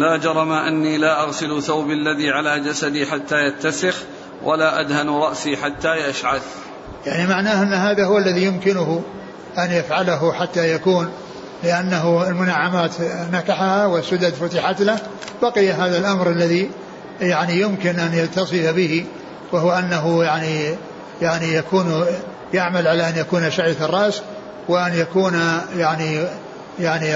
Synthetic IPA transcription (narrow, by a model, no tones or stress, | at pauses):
laːd͡ʒɑɾˤɑmaʔanːiːlaːʔɑɣsɪlθawbalːaðiːʕalaːd͡ʒasad̪iːħat̪ːaːjat̪ːasɪx | wʔa̰laːʔad̪hanɾˤɑʔsiːħat̪ːaːjaʃʕad̪ | jaʕnimaʕnaːhʔɪnːhaːðahʊwalːaðijʊmkɪnʊɦʊ | ʔanjafʕalaɦʊħat̪ːajakuːn | lɪʔanːaɦʊɪlmʊnaʕːamaːt̪nakaħahawɪsʊd̪ad̪fʊt̪ɪħat̪la | baqɪjaɦaːðalʔamɾʔalːaði | jaʕnijʊmkɪnʔanjalt̪ːɑsˤɨfabɪhi | wahʊwaʔanːaɦʊjaʕni | jaʕnijakuːn | jaʕmalʕalaʔanjakuːnaʃaʕjat̪ɑrˤːɑʔs | wɪʔanjakuːnjaʕni | jaʕni